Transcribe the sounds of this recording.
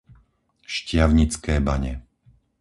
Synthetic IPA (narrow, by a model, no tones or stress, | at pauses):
ʃcɪaʊɲit͡skɛːbaɲɛ